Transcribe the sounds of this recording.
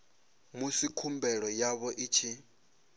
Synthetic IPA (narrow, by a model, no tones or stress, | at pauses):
musikʰumbɛɺɔjaβɔʔit͡ʃʰi